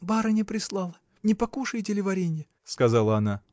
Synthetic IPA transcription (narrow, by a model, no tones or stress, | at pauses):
baɾənʲɪpɾʲɪslˠɑlˠə | nʲɪpɐkuʂɨjtʲɪlʲɪvɐɾʲenʲɪjə | skɐzalˠəɐna